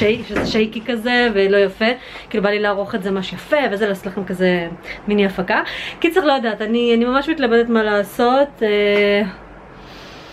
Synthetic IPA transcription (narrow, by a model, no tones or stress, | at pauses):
ejfʃezeʃejkikazevelo̞jafe | kiːlubalilaːʁoχetzemaʃjafeveazelaːsot̪laχemkazeminiafakakitt͡sʁiχlojad̪aːtanianimamaʃmitlabed̪et̪malaːso̞t̪e